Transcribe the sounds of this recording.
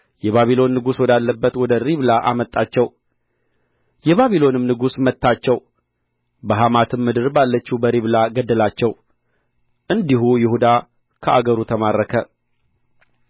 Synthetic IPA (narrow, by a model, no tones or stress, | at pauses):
jɛβaβilo̞nːɨɡuswɔd̪alːəbːət̪wɔd̪əɾiβlaʔamət̪ʼːat͡ʃːɛw | jɛβaβilo̞nɨmnɨɡusmət̪ːat͡ʃːɛw | bəɦamat̪ʰɨmːɨd̪ɨɾbalːət͡ʃːubəɾiβlaɡəd̪ːəlat͡ʃːɛw | ʔɨnd̪ihujɪhud̪a | kʰəʔaɡəɾut̪ʰəmaɾːəkʰə